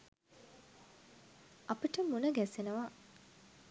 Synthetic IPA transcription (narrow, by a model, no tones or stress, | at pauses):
apiʈəmunəɡæsenəʋa